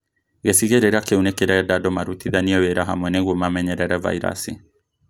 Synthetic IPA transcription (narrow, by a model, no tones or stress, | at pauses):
ɣɛsiɣɛɾɛɾakɛunɛkɛɾɛɾadadɔmaɾut̪iðaniɔwɛɾaɦa̰mɛnɛɣumamɛɲɛɾɛɾava̰iɾa̰si